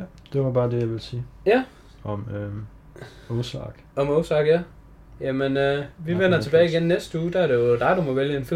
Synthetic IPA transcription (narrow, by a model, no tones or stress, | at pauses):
d̥e̝ʋɑ̈b̥ɑ̈ːd̥ejɑ̈ʋe̝lsiːjæ | ɒmø | ɔʊsɑ̰ɡ̥ɒ̽mɔʊsɑ̈ɡ̥jæ | jæmenøʋiʋen̰ɐt͡sʰe̝bɛːɪiɡenːesd̥əuːd̥ææɐɾe̝jod̥ɑ̈ɪd̥umɒʋeljəe̝nfi